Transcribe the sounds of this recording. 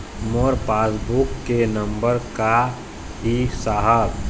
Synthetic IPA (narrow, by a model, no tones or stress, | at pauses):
mɔːɾpaːsbukːenə̃mbəɾka | ɦisaːɦəb